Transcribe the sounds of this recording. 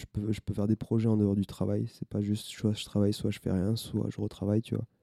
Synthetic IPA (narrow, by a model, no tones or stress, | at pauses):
ʒəpøʒəpøfɛʁd̪epχɔʒɛɑ̃d̪əɔʁd̪yt̪χavajsɛpaʒyst̪ʃwaʒə̥t̪χavajswaʒəfɛ̰ʁjɛ̃swa̰ʒəʁət̪χavajt̪yva̰